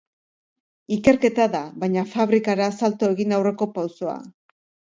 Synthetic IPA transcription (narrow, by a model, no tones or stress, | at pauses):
ike̞ɾke̞t̪aðaβajɲafaβɾikaɾaːsalt̪o̞e̞ɣinawre̞ko̞pawso̞a̰